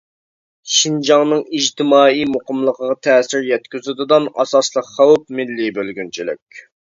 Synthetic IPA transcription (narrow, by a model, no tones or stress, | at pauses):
ʃind͡ʒɑŋnɨŋiʒt̪ʰɪmɑːijmoqəmlˠəqʰəʁɑt̪ʰɛːsɪɾjɛt̪kʲyzyd̪ɨd̪ɑnɑsɑslˠəqχɑwp̚mɪlːibølɡʲynt͡ʃʰilɪ̰kʲ